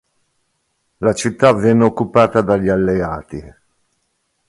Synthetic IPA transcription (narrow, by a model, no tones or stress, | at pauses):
lat͡ʃit̪ːavɛnːeokːupaːt̪ad̪aʎːialːeaːt̪i